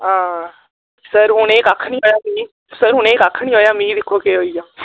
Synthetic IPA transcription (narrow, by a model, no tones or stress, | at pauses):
ɦãː | səɾɦʊneːkaːkʰnĩɦoːjaːmĩː | səɾɦʊneːkaːkʰnĩːɦoːjaːmĩːd̪ɪkʰːokeɦoːijãː